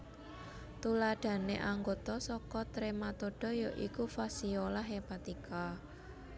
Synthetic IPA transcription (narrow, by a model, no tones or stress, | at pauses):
t̪ulaɖ̥ä̤neʔaŋɡot̪ɔsɔkɔt̪ɾemat̪oɖ̥ɔ̤joʔikufasiolaɦepat̪ikʰa